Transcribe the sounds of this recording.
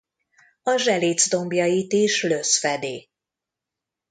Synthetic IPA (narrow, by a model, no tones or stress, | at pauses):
ɒʒɛleːd̪zd̪o̞mbjɒjit̪iʃløsfɛd̪eː